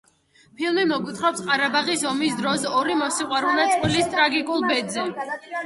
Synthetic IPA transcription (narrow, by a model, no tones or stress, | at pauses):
pʰilˠmimɔkʼwit̪ʰχɾɔpsqʼaɾabaʁisɔmis̬d̪ɾɔsɔɾimɔsiqʼwaɾulˠnat̪sʼqʼwilist̪ʼɾaɡikʼulˠbɛd̪zɛ